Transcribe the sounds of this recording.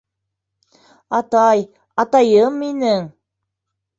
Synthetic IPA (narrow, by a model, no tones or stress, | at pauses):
ɑt̪ɑj | ɑt̪ɑjɤmːinɘŋ